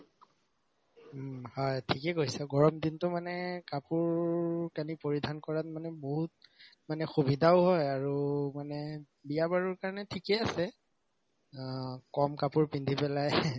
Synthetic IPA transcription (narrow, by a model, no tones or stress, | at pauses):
hɔjtʰikɛkoɦisɛɡɔɹɔmdintʊmanɛkapuɹkanipoɹidʱankɔɹat̚manɛboɦut̚ | manɛxubidʱaʊɦɔjaɹumanɛ | bijabaɹɔɹkaɹɔnɛtʰikɛasɛ | kɔmkapuɹpindʱipɛlaj